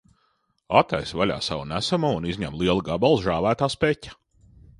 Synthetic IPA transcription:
at̪ajsvalʲa̰ːsawunæsamuːunizʲɲæmlˠiɛlˠuɡabalˠzʒaːvæːt̪aːspɛcʲḁ

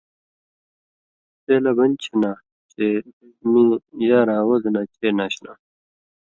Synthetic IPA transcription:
selɐbɐnʲt͡ɕʰena | t͡ɕe | mijaːɾaːwozenat͡ɕʰeːnaɕna̰

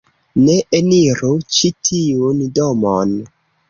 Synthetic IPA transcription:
neʔeniɾut͡ʃitʰiundomon

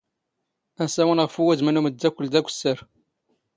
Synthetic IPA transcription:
æsæwənʁəfuwæzmənuməd̪ːækʷːəld̪ækʷːsːəɾ

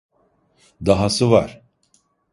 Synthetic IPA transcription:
d̪aɦasɯva̰ɾ̥

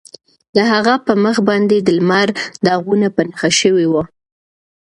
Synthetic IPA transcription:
d̪əɦaɣapəməxbɑnd̪ed̪əlmaɾd̪əaɣunapanaxaʃəwewa

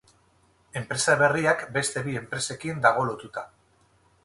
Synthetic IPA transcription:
e̞mpɾe̞saβe̞riakbe̞st̪e̞βie̞mpɾe̞se̞kind̪aɣ̞o̞lo̞t̪ut̪a

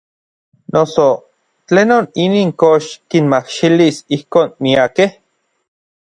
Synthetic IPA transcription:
noso | t͡ɬeːnoniniːŋkoʃkinmakʃilisihkoːnmiakeh

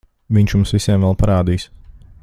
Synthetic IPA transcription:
viɲʲt͡ʃjumsʋiseɛmʋɛlˠpaɾaːd̪iːs

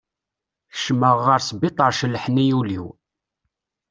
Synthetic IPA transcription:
θə̥ʃməʁːəɾsbɪt̪ˤəɾʃəlːħnijuliw

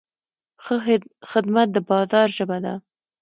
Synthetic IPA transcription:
xəxɪd̪mat̪̚d̪əbɑzɑɾʒəbad̪a̰

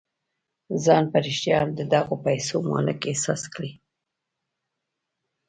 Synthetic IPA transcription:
zɑnpaɾiʃt̪jɑnd̪əd̪ɑɣopajsomɑ̰lɪkesɑ̰skɽi

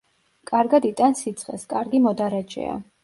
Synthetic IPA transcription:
kʼaɾɡad̪it̪ʼansit̪sʰʼχʼɛ̰skʼaɾɡimɔd̪aɾad͡ʒʼɛ̰a̰

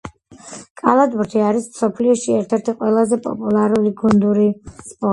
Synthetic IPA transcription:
kʼalˠad̪buɾt̪ʰiaɾismsɔpʰliɔʃiɛɾt̪ʰɛɾt̪ʰiqʼwɛlˠazɛpʼɔ̰pʼulˠaɾuliɡund̪uɾispʼɔ

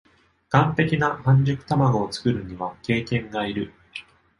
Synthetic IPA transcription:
ɡ̥ãnt̪e̞kʲinahãɲ̟d͡ʑɨkɯ̟̥t̪amaɡo̞ːt͡sɨ̥kɯ̟ɾɯ̟ɲ̟iβake̞ːkẽ̞ŋɡaiɾɯ̟

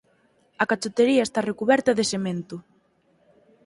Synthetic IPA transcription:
ɐkat͡ʃot̪eɾiaest̪arekuβɛɾt̪ɐðesemẽnt̪ʊ

